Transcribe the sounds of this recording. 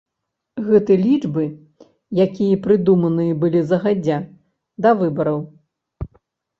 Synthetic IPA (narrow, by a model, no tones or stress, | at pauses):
ɣɛt̪ɨlʲid͡ʐbɨ | jakʲijɐpɾɨd̪umɐnɨjɐbɨlʲizɐɣad͡zʲːa | d̪ɐvɨbɐɾɐw